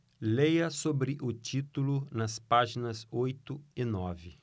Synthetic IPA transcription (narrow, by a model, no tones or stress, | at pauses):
lejɐsobɾɪʔʊt͡ʃit̪ulʊnɐspaʒinɐsojt̪ʊɪnɔvɪ